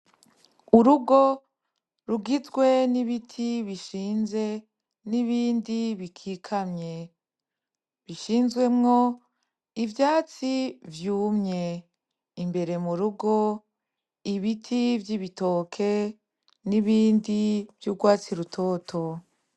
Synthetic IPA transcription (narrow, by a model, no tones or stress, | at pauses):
uɾuɡo̞ | ɾuɡizɡwe̞niβitʰiβiʃiːnze̞ | niβiːndiβikʰikʰamɲe̞ | βiʃiːnzɡwe̞mŋo̞ | ivjaːt͡sivjuːmɲe̞ | imbe̞ɾe̞muɾuɡo̞ | iβitʰivjiβitoːkʰe̞ | niβiːndivjuɡwaːt͡siɾutʰo̞ːtʰo̞